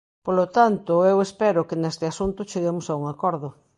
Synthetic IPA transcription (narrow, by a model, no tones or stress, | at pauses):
polot̪ant̪ʊewespɛɾʊkenest̪ɪasunt̪ʊt͡ʃeɣemosauŋakɔɾðʊ